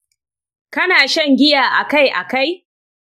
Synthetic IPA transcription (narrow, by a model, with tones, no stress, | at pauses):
kɐ˦naː˨ʃɐ˦˨ŋɡʲɪ˦jaː˨ʔa˨ka˦˨jʔa̰˨ka˦j